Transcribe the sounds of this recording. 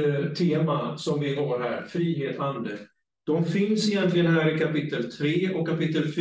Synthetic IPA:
t̪ʰeːmasɔmvɪɦɑɾɦæ̰ːɾfɾiːɦeːt̪hand̪ə | d̪̥ɔmfɪnsɪjɛnt̪lɪɡənɦæːɾɪkʰapɪt̪ːəlt̪ʰɾeːʔɔkːapɪt̪ːəlf

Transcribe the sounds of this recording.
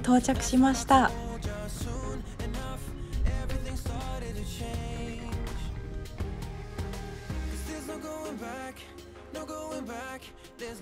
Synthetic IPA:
t̪o̞ːt͡ɕakɯ̥ɕimaɕi̥t̪ad͡ʒʌ | sũnɨnʌf | ɛvɹiθɪ̃ŋstɑɹɾɨd̚tʰɨt͡ʃʰẽɪɪ̃nnnnd͡ʒ | ðəznoɡoʊɪ̃ŋbæk | noɡ̥oʊɪ̃ŋbæk | ðə˞z

